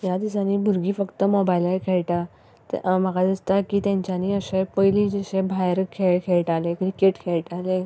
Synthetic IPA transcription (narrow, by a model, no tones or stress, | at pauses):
jad̪isaniːbʱuɾɡiːfəkt̪əmobajlajkʰeɭʈa | t̪maɡad̪əst̪akit̪ẽɲt͡ɕaniəɕepəjlid͡ʑeɕẽbʱajɾkʰekʰeɭʈalekɾikeʈkʰeɭʈale